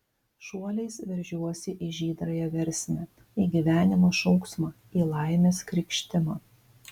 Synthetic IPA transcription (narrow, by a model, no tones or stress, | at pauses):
ʃuɔlʲɛɪsʋʲɛɾʲʒʲuɔsʲɪʔiʒʲiːd̪ɾɐjɛʋʲɛɾʲsʲnʲɛ | iɡʲiʋʲæːnʲɪmoːʃɔʊksmɑ | iːlˠɑˑɪmʲeːskɾʲɪkʃʲt̪ʲɪmɑː